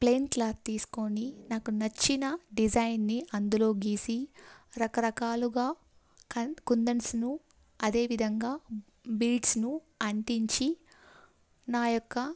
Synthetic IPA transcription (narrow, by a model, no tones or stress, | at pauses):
pleːnʈlɐt̪iːsu̥ko̞ninaːkunɐt͡ʃːinɐɖid͡ʒɐjnːiʔɐnd̪ulo̞ːɡiːsiɾɐkɐɾɐkaːluɡaː | kɐkund̪ɐnsnu | ɐd̪e̞ːʋid̪ʱɐŋɡaː | bilɖsnu | ɐɳʈiɲt͡ʃi | naːjɔkːɐ